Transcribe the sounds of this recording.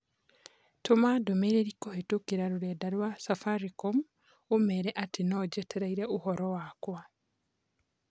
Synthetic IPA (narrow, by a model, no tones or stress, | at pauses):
tomadomeɾeɾikohetokeɾaɾuɾɛdaɾwasafaɾikom | omɛɾɛʔatenɔd͡ʒɛtʰɛɾaiɾɛʔuhɔɾɔwakwa